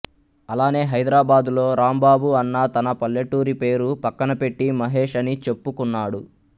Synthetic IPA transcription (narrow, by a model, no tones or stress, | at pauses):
ɐlaːne̞ːɦɐjd̪ɾaːbaːd̪ulo̞ːɾaːmbaːbuɐnːɐt̪ɐnɐpɐljɐʈːuːɾipe̞ːɾupɐkːɐnɐpe̞ʈːimɐɦe̞ːʂɐnit͡ʃe̞pːukunːaːɽu